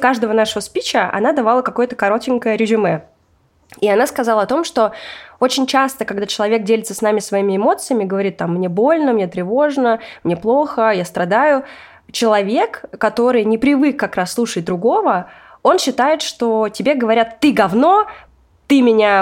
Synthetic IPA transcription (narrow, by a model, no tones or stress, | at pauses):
kaʐd̪əvənaʂəvəspʲit͡ɕəʔɐ̰nad̪ɐvalˠəkɐko̞jət̪əkɐɾo̞tʲɪŋʲkəjəɾʲɪʐɨmɛ | iɐnaskɐzalˠəɐt̪o̞mʂt̪o̞o̞t͡ɕɪnʲt͡ɕast̪əkɐɡd̪at͡ɕɪlˠɐvʲe̞k̚dʲelʲɪt̪səsnamʲɪsvɐimʲɪɪmo̞t̪sɨjəmʲɪɡəvɐɾʲit̪̚ːamːnʲe̞bo̞lʲnəmnʲe̞t̪ɾʲɪvo̞ʐnəmnʲe̞plˠo̞xəjast̪ɾɐd̪ajʊ | t͡ɕɪlˠɐvʲe̞kːɐt̪o̞ɾɨjnʲɪpɾʲɪvɨkːɐkɾasːlˠuʂət̚ʲd̪ɾʊɡo̞və | o̞nɕːɪt̪ajɪt̪ʂt̪o̞tʲɪbʲeɡəvɐɾʲat̪ːɨɡ̪ɐvno̞ | t̪ɨmʲɪnʲa